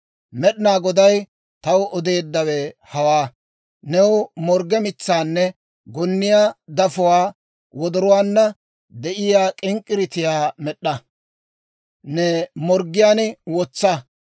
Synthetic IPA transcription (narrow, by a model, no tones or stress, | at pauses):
mɛɗɪnaːɡɔd̪ɐj | t̪ɐwɔd̪e̞ːd̪ːɐwɛhɐwaː | nɛwʊmɔɾɡɛmɪt͡sːaːnːɛ | ɡɔnːɪjaːd̪ɐfʊwaː | wɔd̪ɔɾʊwaːnːɐ | d̪ɛʔɪjaːkʼɪŋkʼːɪɾɪt̪ɪjaːmɛɗːɐ | nɛmɔɾɡɪjaːnwɔt͡sːɐ